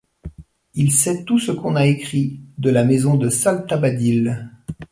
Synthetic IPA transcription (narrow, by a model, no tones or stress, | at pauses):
ilsɛt̪usəkɔ̃naekχid̪əlamezɔ̃d̪əsalt̪abad̪il